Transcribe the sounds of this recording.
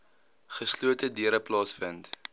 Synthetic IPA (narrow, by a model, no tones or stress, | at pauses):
χəsluətədiəɾəplɑːsfənt